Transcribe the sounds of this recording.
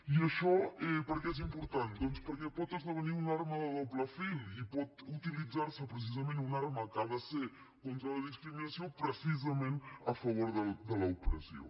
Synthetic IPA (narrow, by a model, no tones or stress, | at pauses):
iəʃɔɛpəɾkɛɛzimpuɾt̪and̪ɔnspəɾkɛpɔt̪əzðəβəniunaɾməðəðopləfilipɔt̪ut̪ilid͡zaɾsəpɾəs̬izəmẽnunaɾməkaðəse | kont̪ɾələðiskɾiminəsiopɾəsizəmenəfəβoɾðəd̪ələupɾə̰sio̰